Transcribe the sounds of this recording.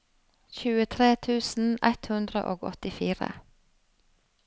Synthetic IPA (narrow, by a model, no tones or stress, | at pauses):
çʉːət̪ʰɾeːt̪ʰʉːsn̩ɛt̪hʉnd̪ɾə̰ʔoːɡɔ̰t̪ɪfiːɾə̰